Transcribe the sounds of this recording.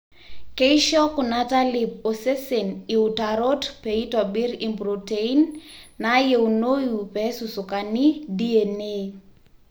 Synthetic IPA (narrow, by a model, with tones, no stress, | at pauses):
ke˦i˦ʃɔ˦kʊ˨na˦ta˦lɪ˨p̚o˨se˦se˨ni˨utaɾo˦tpe˨i˦tɔ˨bɪ˦ɾi˨mbɾo˨tei˦nːa˨je˨u˨no˦ju˨pɛ˨˦su˨su˨ka˨ni˦di˦e˨ne˦